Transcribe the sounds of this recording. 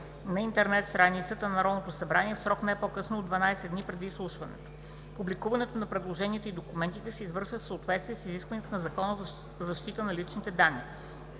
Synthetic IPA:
nɐint̪ɛɾnɛt̪st̪ɾanit̪sət̪ənɐɾɔd̪not̪osɐbɾaniɛfsɾɔknɛpokɤsnoːd̪vɐnajsɛd̪nipɾɛd̪islˠuʃvɐnɛ̰t̪o̥ | publikuvɐnɛt̪onɐpɾɛd̪lˠoʒɛniɛt̪əid̪okumɛnt̪it̪ɛsɛizvɤɾʃvəfsəot̪vɛt̪st̪viɛsiziskvəniɛt̪ənɐzɐkɔnz | zɐʃt̪it̪ənɐlit͡ʃnit̪ɛd̪anːi

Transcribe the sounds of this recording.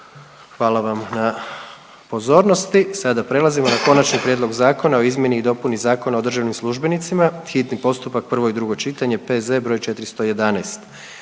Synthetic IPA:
xʋaːlˠaʋamna | po̞zo̞ːɾnost̪isad̪apɾe̞lˠazimo̞nako̞nat͡ʃnipɾʲje̞d̪lo̞ɡzaːko̞nao̞izmje̞niːd̪o̞punizaːko̞nao̞d̪r̩ʒaʋnimslˠuʒbe̞nit̪simaxit̪nipo̞st̪upak̚pr̩ʋo̞id̪ɾuɡo̞t͡ʃit̪aɲe̞pezebɾo̞ːjt͡ʃe̞t̪ɾist̪o̞je̞d̪anɛst̪

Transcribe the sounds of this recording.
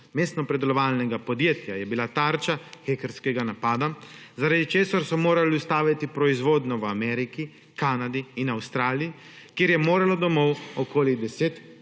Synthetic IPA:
mest̪nɔpɾɛd̪ɛlɔʋaːlnɛɡapɔd̪jeːt̪jajɛbilat̪aːɾt͡ʃaxekɛɾskɛɡanapaːd̪azaɾaːd̪it͡ʃeːsaɾsɔmoːɾaliust̪aːʋit̪ipɾɔizʋoːd̪nɔwamɛːɾiki | kanad̪iːnawst̪ɾaːliji | kjeːɾjɛmoːɾalɔd̪ɔmɔwɔkoːlid̪ɛseːt̪

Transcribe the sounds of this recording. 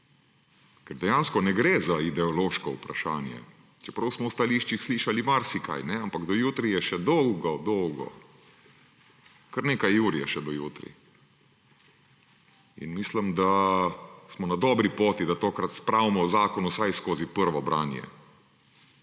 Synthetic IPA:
kɛɾd̪ɛjanskɔnɛɡɾeːzaid̪ɛɔloːʃkɔupɾaʃaːnjɛ̰ | t͡ʃɛpɾɐwsmɔwst̪aliːʃt͡ʃixsliːʃalimaɾsika̰jnɛampaɡd̪ɔjuːt̪ɾijɛʃɛd̪ɔwɡɔd̪ɔwɡɔ̰ | kəɾneːkajuːɾjɛʃɛd̪ɔjuːt̪ɾḭ | ḭnmisləmd̪a | smɔnad̪ɔːbɾipoːt̪id̪at̪oːkɾat̪spɾaːwmɔzaːkɔnusajskoːzipəɾʋɔbɾʔaːnjɛ̰

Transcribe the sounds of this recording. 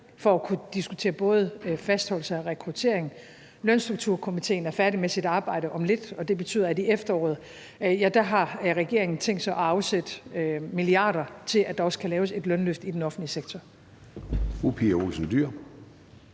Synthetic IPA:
fɒ̽ækʰud̥isɡ̥ut͡sʰe̝̰ːɐb̥ɔ̽ːð̞̩ˠfæsd̥hɒ̽lsɐɒʁɛkʰʁut͡sʰe̝̰ɐe̝ŋ̩ | lœnsd̥ʁuɡ̥̚t͡sʰuɐ̰kʰo̝mit͡sʰe̝̰ːnæɐfæɐɾimesid̥ɑ̈ːb̥ɑ̈ɪ̰ɾəʔɒ̽mle̝d̥ɒ̽d̥e̝b̥e̝̥t͡sʰy̰ːðˠɐædiefd̥ɐɒ̰ːð̞̩ˠ | jæd̥æɦɑ̈ʁɛɡ̥e̝ɐ̰e̝ŋn̩t͡sʰeŋ̰d̥sɑ̈ɪʔɒɑ̈ʊsed̥miliɑ̈ːɾ̥ɐt͡sʰe̝lʔæd̥ɑ̈ɒ̽skʰælɛːʊse̝d̥lœnløfd̥id̥enɒ̽fn̩dliseɡ̥t͡sʰɒ | fupʰiɐolsn̩d̥yɐ̰

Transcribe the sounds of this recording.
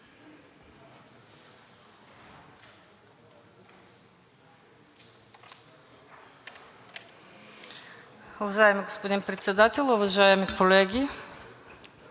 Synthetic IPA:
ovaʒaɛmiɡospod̪inpɾɛt̪sʲɛd̪at̪ɛlʲˠovaʒajɛmikʰolɛɡʲi

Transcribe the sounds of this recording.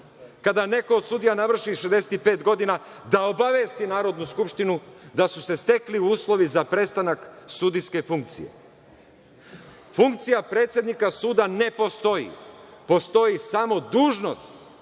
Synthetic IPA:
kad̪ane̞ko̞ːd̪sud̪ijanaʋr̩ʃiʃed̪e̞set̪ipe̞ːt̪ɡo̞d̪ina | d̪aobaʋe̞ːst̪inaːɾo̞d̪nuskupʃt̪inud̪asuse̞st̪e̞kliuuːslˠo̞ʋizapɾe̞st̪anaksud̪iske̞fuŋk̚t̪sḭje̞̰ | fuŋk̚t̪sijapɾe̞ːt̪sʲje̞d̪nikasuːd̪ane̞po̞st̪o̞jḭpo̞st̪o̞jisamo̞d̪uːʒno̞̰st̪

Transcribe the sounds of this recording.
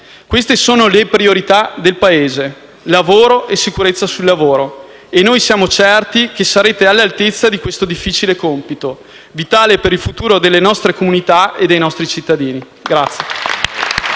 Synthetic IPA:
kwest̪esoːnolepɾioɾit̪ad̪elpaeːze | lavoːɾoʔesːikuɾet̪sːasulːavoːɾo | enːojsjaːmot͡ʃɛrt̪ikesaɾeːt̪ealːalt̪et̪sːad̪ikwest̪od̪ifːit͡ʃilekompit̪o | vit̪aːlepeɾilfut̪uːɾod̪elːenɔst̪ɾekomunit̪aed̪ːejnɔst̪ɾit͡ʃit̪ːad̪iːni | ɡɾat̪sːje

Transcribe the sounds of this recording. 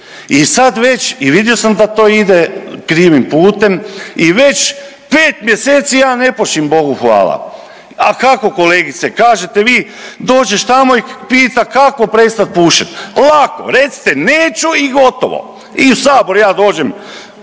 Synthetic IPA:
isad̪ʋe̞t͡ɕiʋid̪jo̞samd̪at̪o̞ːid̪ekɾiːʋimpuːt̪e̞miʋe̞t͡ɕ | peːt̪mje̞seːt̪sijaːne̞poʃimbo̞ɡuxʋa̰ːlˠa̰ | akako̞ko̞leːɡit̪sekaːʒe̞t̪eʋiː | d̪o̞ːd͡ʒeʃt̪amoipiːt̪akako̞pɾe̞st̪at̪̚puːʃet̪lˠako̞̰ɾet̪si̥t̪eneːt͡ɕuiɡo̞t̪o̰ʋo̰ | iusaːboɾujaːd̪o̞ːd͡ʑe̞m

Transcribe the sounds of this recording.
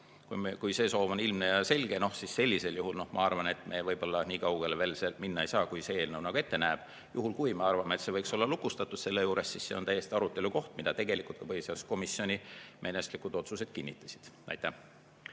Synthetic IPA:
kukujse̞ːso̞ːvo̞nilmnejɑse̞lʲɡ̥e̞no̞hsisse̞lʲːise̞ljuɦulno̞hmɑ̰ɑrvɑne̞t̪me̞vɤjb̥o̞lːɑniːkɑwɡ̥e̞leve̞ːlseminːɑejsɑːkujsee̞ːlnəwnɑɡ̥ue̞t̪ːe̞næːb̥ | juɦulkujme̞ɑrvɑmet̪se̞vɤjkso̞lːɑlukust̪ɑt̪ːˑud̪̥se̞lːe̞juːɾe̞sːisse̞o̞nt̪æjːest̪iɑɾut̪ːˑe̞luko̞ht̪mid̪ɑt̪e̞ɡ̥e̞likult̪kɑpɤisesko̞misjo̞nʲimʔe̞ne̞st̪likˑud̪o̞t̪suse̞d̪̥kinʲːit̪ːˑɑ̥si̥d̪̥æ̰jt̪ːˑæh

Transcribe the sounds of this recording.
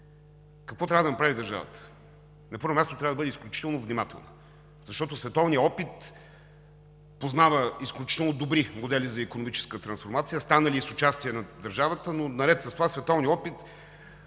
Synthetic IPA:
kɐkvɔt̪ɾʲavəd̪ɐnɐpɾavid̪ɐɾʒa̰və̰t̪ə̥ | nɐpɤɾvomʲast̪ot̪ɾavəd̪bɤd̪ɛisklʲut͡ʃi̥t̪ɛlˠnovnimat̪ɛ̰lˠnə̰ | zɐʃt̪ɔt̪osvɛt̪ɔvnijəɔpit̪ | poznavəisklʲut͡ʃit̪ɛlˠnod̪obɾimod̪ɛlʲizɐikonomit͡ʃɛ̥skət̪ɾɐnsfoɾmat̪sijəst̪anəlʲiːsʊt͡ʃast̪iɛnɐd̪ɐɾʒavət̪ənonɐɾɛt̪sɐst̪ovasvɛt̪ɔvniəɔpit̪

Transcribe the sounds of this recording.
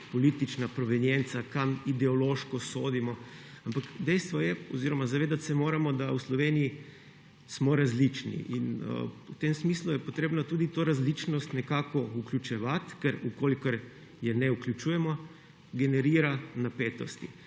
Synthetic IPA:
poliːt̪it͡ʃnapɾɔʋɛnjɛnt̪sakamid̪ɛɔloːʃkɔsoːd̪imɔampakd̪ɛjst̪ʋɔjɛɔziɾɔmazaʋeːd̪at̪sɛmoːɾamɔd̪auslɔʋeːniji | smɔɾazlit͡ʃnḭʔḭnə̰uwt̪emsmiːslujɛpɔt̪ɾeːbnat̪uːd̪it̪oːɾazlit͡ʃnɔst̪nɛkaːkɔuklʲut͡ʃɛʋat̪kɛɾukoːlikəɾ | jɛnɛuklʲut͡ʃuːjɛmɔ | ɡɛnɛɾiːɾanapeːt̪ɔst̪i

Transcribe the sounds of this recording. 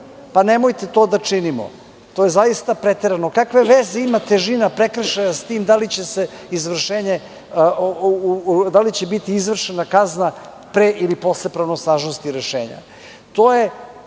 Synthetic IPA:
panemojt̪e̞t̪o̞ːd̪at͡ʂinimo̰ | t̪ojezajist̪apɾet̪eɾanokakʋe̞ʋezeimat̪eʒinapɾekɾ̩ʃajast̪iːmd̪alit͡ɕese | izʋr̩ʃeːɲe | d̪alit͡ɕe̞bit̪iizʋr̩ʃenakazna | pɾeʔilipo̞slepɾaʋnosnaːʒnost̪iɾeʃḛːɲa̰ | t̪oːje̞

